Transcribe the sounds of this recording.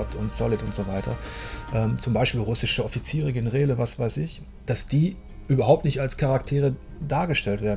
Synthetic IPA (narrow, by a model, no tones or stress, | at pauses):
ɔtʰʊntsɔlɪtʊntz̥ovaɪtʰɐ̰ʔɛːmt͡sʊmbaɪʃpiːlʁʊsɪʃəɔfit͡siːʁəɡɪnʁeːləvasv̥aɪsɪç | d̥asd̥iː | ʔyːbɐɦaʊp̚tnɪçtalskʰaʁaktʰeːʁədaːɐɡəʃtɛltv̥eːɐdn̩